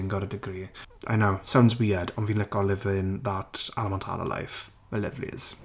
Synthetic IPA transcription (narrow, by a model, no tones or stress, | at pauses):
ɪ̃ŋɡɔɾədɪɡɾiːʔa̰ɪnowsãw̃ndzwiːədə̃nvinlɪkɔlɪvɪ̃nðəta̰lˠəmɛ̃ntʰa̰lə̰la̰ɪf | məlɛ̰vlḭz̥